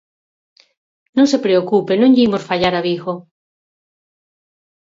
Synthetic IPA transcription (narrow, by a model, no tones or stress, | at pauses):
nõŋsepɾeokupenõŋʎimosfaʎaɾaβiɣo